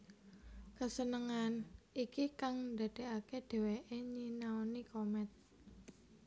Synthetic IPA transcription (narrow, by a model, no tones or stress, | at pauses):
kəsənəŋanikikaŋnd̪a̤d̪̥e̤ʔaked̪̥e̤weʔeɲinaonikomɛt̪̚